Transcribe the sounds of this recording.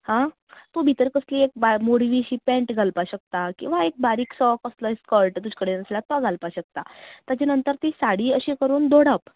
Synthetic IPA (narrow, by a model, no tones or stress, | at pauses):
hã | t̪obʱit̪əɾkəsliek̚bamoɽʋiɕiːpɛ̃ɳʈɡʱalpaɕək̚t̪akĩw̃ʋaek̚baɾiːksɔkəslɔeskəɾʈt̪ud͡ʑkəɽenəslat̪aɡʱalpaɕək̚t̪at̪jat͡ɕanənt̪əɾt̪isaɽiːəɕikəɾuːnd̪ʱoɽəp